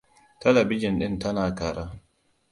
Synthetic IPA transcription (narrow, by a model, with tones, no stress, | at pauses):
tʰa˦la˨bi˦d͡ʒɔ˨nɗi˦nta˦naː˨ka˨ɾʔa˦